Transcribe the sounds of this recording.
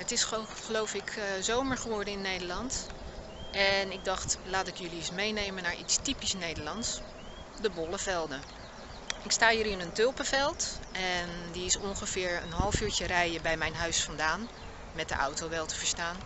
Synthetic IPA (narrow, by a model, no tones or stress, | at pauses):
ətɪs | χəlowfɪkzowməɹχəʋɔɹdəɪnːejdəɹlɑnt | ʔɛnɪɡ̚dɑχtlaːtɪkjɵliɪsmejnejmənaːɹḭtstipisnejdəlɑnts | dəbɔləvɛlˠdə | ɪkstaːhiːɾɪnəntɵlˠpəvɛlˠtʔɛndiɪsɔŋχəvɪːɹə̰nɦɑlˠəfyːɹt͡ʃərɛjəbɛjmɛjnɦœɥsfɑndaːn | mɛt̚də̰ʔa̰wtowʋɛlˠtə̥vəɹstaːn